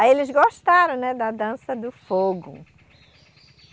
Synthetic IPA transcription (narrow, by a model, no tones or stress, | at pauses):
elɪzɡoʃt̪aɾɐ̃w̃nɛd̪ɐd̪ɐ̃sɐd̪ʊfoɡʊ̰